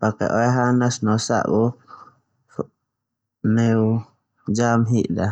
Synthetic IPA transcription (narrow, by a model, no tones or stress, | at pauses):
pakɛ̰ʔɔɛɦanasnɔsa̰ʔbɔ | nɛu | d͡ʒamɦiʔda